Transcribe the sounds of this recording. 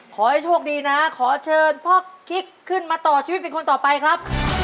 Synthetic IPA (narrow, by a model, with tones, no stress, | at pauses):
kʰɔː˩˦ha˧˩jt͡ɕʰoː˥˩ək̚diː˧na˦˥kʰɔː˩˦t͡ɕʰɤː˧npʰɔː˥˩kʰi˦˥kʰːɯ˥˩nmaː˧t̪ɔː˨˩t͡ɕʰiː˧˦t̪̚pe˧nko˧nt̪ɔː˨˩pa˧jkʰɾa˦˥p̚